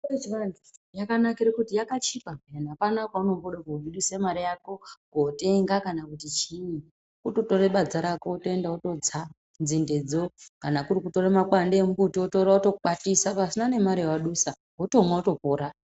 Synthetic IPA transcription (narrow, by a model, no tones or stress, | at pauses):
et͡ʃiʋandijakanakiɾekutijakat͡ʃipajanapanakwauno̞mboɗakuɓiɗusemaɾijako̞kote̞ŋɡakanakutit͡ʃii | uto̞to̞reɓad͡zaɾakoutoendauto̞d͡za | nzinde̞d͡zo̞kanakuɾikuto̞ɾemakwandeːmubutioto̞ɾauto̞ɓatisapasinane̞maɾewaɗusa | ɦotomwauto̞poːɾa